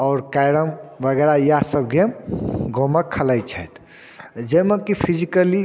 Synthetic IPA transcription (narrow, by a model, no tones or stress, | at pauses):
ɔʊɾkajɾəmʋəɡɛɾaijasəb̚ɡeɡʱoməkkʰːəlajt͡ʃʰəjt̪ | d͡ʒəjmekipʰid͡ʒikəli